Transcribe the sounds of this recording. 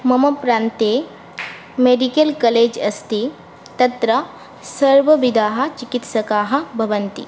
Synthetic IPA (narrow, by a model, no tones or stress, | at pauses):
mɐmɐpɾaːnt̪eː | meɖikɐlkɐleːd͡ʒɐst̪i | t̪ɐt̪ɾɐ | sɐɾʋɐʋid̪ʱaːɦɐ̆t͡ʃikit̪sɐkaːɦɐ̆bʱɐʋɐnt̪ḭ